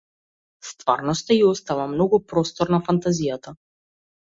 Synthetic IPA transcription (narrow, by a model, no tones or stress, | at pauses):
st̪va̰ɾnɔst̪aiɔst̪avamnɔɡupɾɔst̪ɔɾnafant̪azijat̪a